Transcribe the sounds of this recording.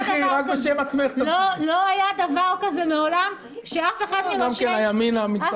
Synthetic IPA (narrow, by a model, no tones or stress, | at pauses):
iʁak̚bbeʃemat͡smeχtloloajad̪avaʁkazemeolam | ʃeafe̞χad̪ɡamkenajaminamit̪